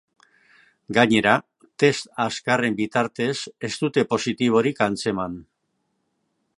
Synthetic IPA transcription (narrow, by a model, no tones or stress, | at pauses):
ɡaɲe̞ɾa | t̪e̞st̪askare̞mbit̪aɾt̪e̞se̞st̪ut̪e̞po̞sit̪iβ̞o̞ɾikant͡se̞man